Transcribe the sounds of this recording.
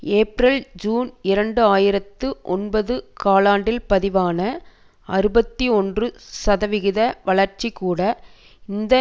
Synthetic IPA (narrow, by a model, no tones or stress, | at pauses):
eːpɾɐld͡ʒuːnɪɾɐɳɖɯaːjɪɾɐt̪ːɯʔɔnbɐðɯkaːlaːɳɖɪlpɐðɪʋaːnɐ | ɐɾɯbɐt̪ːiɔndrɯsɐðɐʋɪɣɪðɐʋɐɭɐɾt͡ʃikːuːɽɐ | ɪnd̪ɐ